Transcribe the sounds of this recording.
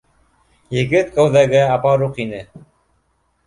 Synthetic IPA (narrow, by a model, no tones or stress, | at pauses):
jɘ̆ɡɘt̪̚kowðæɡɘɑpɑɾuqinɘ